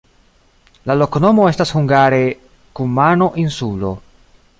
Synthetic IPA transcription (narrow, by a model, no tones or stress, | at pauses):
lalo̞kono̞mo̞e̞stashuŋɡaɾe̞ | kumano̞ʔinsulo̞̰